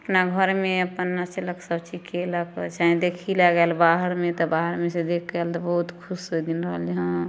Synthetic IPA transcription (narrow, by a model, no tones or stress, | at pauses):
əpnaɡʱəɾmẽəpənːaseləksəbt͡ʃikeləkt͡ʃaɦẽd̪ekʰilaɡɛlbaɦəɾmẽt̪ɔbaːɦəɾmẽsed̪ekʰɡɛlt̪ɔbɔɦut̪kʰʊsd̪inɾəɦəld͡ʒəɦã